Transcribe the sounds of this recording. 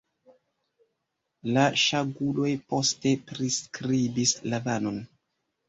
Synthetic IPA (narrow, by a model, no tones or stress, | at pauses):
laʃaɡulo̞jpo̞ste̞pɾiskɾibislavano̞n